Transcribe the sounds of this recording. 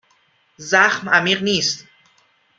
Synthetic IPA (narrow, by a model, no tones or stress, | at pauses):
zaχmamiqniːst̪